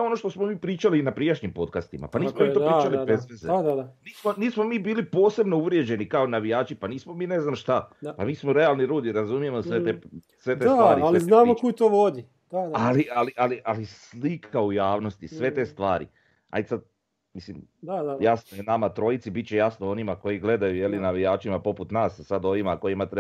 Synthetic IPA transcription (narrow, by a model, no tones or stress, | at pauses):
seo̞no̞ʃt̪osmomiːpɾiːt͡ʃaliːnapɾijaʃɲimpo̞t̪kast̪ima̰paniːsmomit̪opːt͡ʃalibezezeaniːsmoniːsmo̞miːbiːlipo̞ːse̞bno̞uʋɾje̞d͡ʑe̞nikaonaʋijaːt͡ʃipaniːsmomiːne̞znamʃt̪apamiːsmoɾe̞alˠniɾuːd̪iɾazumijemosʋet̪e | sʋe̞t̪eaːɾialeiznaːmokujit̪oʋod̪i | d̪̥aalialiʔaliʔalislikʰaujaːʋno̞st̪isʋe̞t̪e̞ːst̪ʋaːɾḭ | a̰jd̪sad̪̚ | mislimaajasnojenamat̪ɾo̞jit̪sibitt͡ɕejasnoo̞nimako̞jiɡle̞d̪ajuje̞linaʋijaːt͡ʃimapo̞put̪naːssad̪o̞ʋimako̞jimat̪ɾe